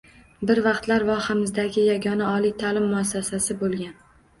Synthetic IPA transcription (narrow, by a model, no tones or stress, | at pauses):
bɪɾvɑqt̪laɾvɒhamɪzd̪aɡʲɪjaɡʲɒnaɒlijt̪ʰalɪmːʊasːasasɪbolˠɡʲan